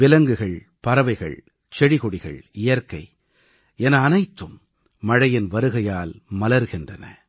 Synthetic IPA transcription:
ʋɪlɐŋɡɯɣɐɭ | pɐɾɐʋɐɪɣɐ̰ɭ | t͡ʃɛɽɪɣɔɽɪɣɐ̰ɭɪjɐɾkɐɪ | ɛnɐːnɐɪt̪ːɯmː | ɐɻɐjɪnʋɐɾɯɣɐjaːlmɐlɐɾɣɪndrɐnɐ̰

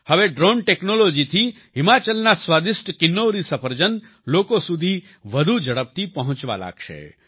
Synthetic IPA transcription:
həʋeɖɾoɳʈeknolod͡ʒit̪ʰi | ɦɪmat͡ʃəlnasʋad̪ɪsʈkɪnːoɾisəpʰəɾd͡ʒən | lokosud̪ʱi | ʋəd̪ʱud͡ʒəɽəp̚t̪ipəɦʊ̃t͡ʃʋa̰la̰ɡʃḛ

